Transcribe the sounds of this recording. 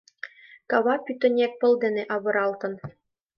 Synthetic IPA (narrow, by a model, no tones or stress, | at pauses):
kɑβɑpʲyt̪ɘ̆nʲek̚pɤ̆lˠd̪ɘ̆nĕʔɑβɤ̆ɾɑlˠt̪ɤ̆n